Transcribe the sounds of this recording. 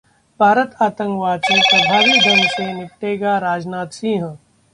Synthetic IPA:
bʱaːɾət̪aːt̪ə̃ŋkʋaːd̪sẽpɾɐbʱaːʋid̪ɐnsenɪp̚ʈeːɡaɾaːd͡ʒnaːt̪sĩːɦə̃

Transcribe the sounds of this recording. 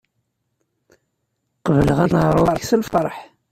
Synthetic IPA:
qəvələʁænʁɾˤwɑɾˤsəlfəɾˤħ

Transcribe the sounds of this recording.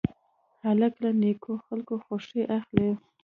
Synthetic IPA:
halaklanekʰoxalkoxoʂeʔaxle

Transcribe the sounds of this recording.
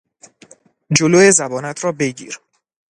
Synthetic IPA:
d͡ʒoloːjezæbɒːnæt̪ʰɾɒːbe̞ɟḭːɾ

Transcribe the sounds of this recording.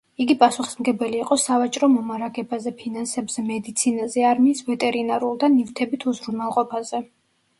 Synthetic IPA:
iɡipʼasuχi̥smɡɛbɛliːqʼɔsavat͡ʃʼɾɔmɔmaɾaɡɛbazɛpʰinansɛbzɛmɛd̪it̪sʰinazɛaɾmiːsvɛt̪ʼɛɾinaɾulˠd̪anivt̪ʰɛbit̪ʰuzɾunalˠqʼɔpʰazɛ

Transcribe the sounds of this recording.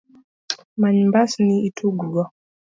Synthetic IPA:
maɲmbasniitʰuɡuɡɔ

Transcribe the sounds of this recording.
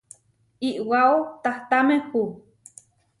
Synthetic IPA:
iʔwaot̪aht̪amehu

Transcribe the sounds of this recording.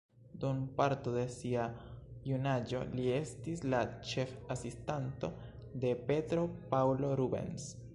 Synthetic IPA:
dumpaɾtode̞siajunad͡ʒo̞̰lie̞stislat͡ʃe̞fasistanto̞ | de̞pe̞tɾo̞pawlo̞ɾube̞̰ns

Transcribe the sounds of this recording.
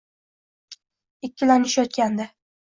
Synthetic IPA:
ɪkʲːɪlanɪʃajɒt̪̚kʲand̪ɪ

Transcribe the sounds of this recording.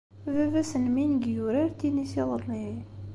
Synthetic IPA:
vævæsənminɡjuɾæɾt̪ːinisiðˤəɾli

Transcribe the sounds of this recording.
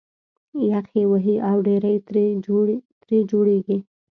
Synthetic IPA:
jaqewəɦiʔawɖeɾajt̪ɾ | t̪ɾed͡ʒoɽeɡi

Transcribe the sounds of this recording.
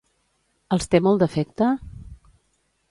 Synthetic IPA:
əlˠst̪emɔlˠd̪əfɛk̚t̪ə

